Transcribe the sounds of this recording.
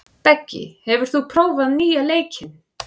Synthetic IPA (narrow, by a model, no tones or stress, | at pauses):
pɛcːɪ̰hɛvʏɾ̥θupʰɾoːwvaðniːaleːjcʰɪn